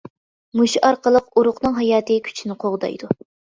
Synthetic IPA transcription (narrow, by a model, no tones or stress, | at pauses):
muʃʔɑɾqəlˠəquɾʊqnɨŋɦɑjɑːt̪ɨkʲʰy̥t͡ʃʰinɪqʰoʁd̪ɑ̰jd̪u